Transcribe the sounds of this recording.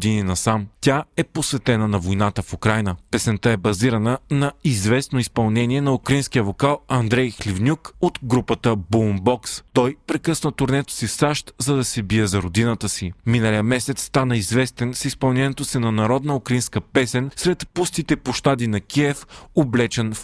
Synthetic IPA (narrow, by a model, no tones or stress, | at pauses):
d̪ininɐsamtʲaɛposvɛt̪ɛnənɐvojnat̪əfukɾajnəpɛsɛnt̪aɛbɐziɾɐnənɐizvɛsnoispɐlˠnɛniɛnɐukɾɐinskijəvokalˠɐnd̪ɾɛjxlʲivnʲukot̪ɡɾupət̪əbombɔkst̪ɔjpɾɛkɤsnət̪ʊɾnɛt̪o̥sisaʃt̪zɐd̪ɐsɛbijəzɐɾod̪inət̪əsiminəlijəmɛsɛt̪st̪anəizvɛst̪ɛnsispɐlˠnɛnɛt̪osinɐnɐɾɔd̪nəukɾɐinskəpɛsɛnsɾɛt̪pust̪it̪ɛpoʃt̪ad̪inɐkʲiɛfoblɛt͡ʃɛnf